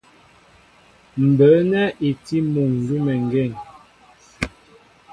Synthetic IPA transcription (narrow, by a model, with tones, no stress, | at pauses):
m̩˨bə˨˦nɛ˦ʔi˨ti˦mu˨ŋn̩˨du˦mɛ˨ŋ̩˨ɡɛ˦˨ŋ